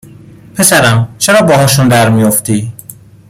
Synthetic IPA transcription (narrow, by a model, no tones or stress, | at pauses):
pʰe̞sæɾæmt͡ʃʰe̞ɾɒːbɒːɦɒːʃund̪æɾmijoft̪iː